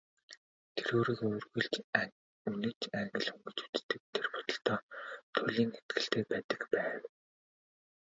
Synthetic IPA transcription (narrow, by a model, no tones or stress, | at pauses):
t̪ʰeɾoːɾiːkoːrɣujɮt͡ɕ | unɘ̆t͡ɕʰæŋɡə̆ɮxɵŋɡɵ̆t͡ɕu̥t̪t̪ːɘ̆k̚t̪ʰːerpɔ̥t̪ɞ̆ɬt̪ɔːt̪ʰʊɮiːŋet̪̚ɡ̥ɘ̆ɬt̪ʰeːpæːt̪ə̥̆kpæːw